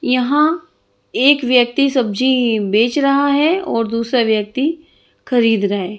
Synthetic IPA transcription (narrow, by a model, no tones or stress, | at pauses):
jɐɦã | eːkʋjək̚t̪isɐb̚d͡ʒibeːt͡ʃɾɐɦaɦɛɔːɾd̪uːsɾaʋjək̚t̪i | xʰɐɾiːd̪ɾɐɦeː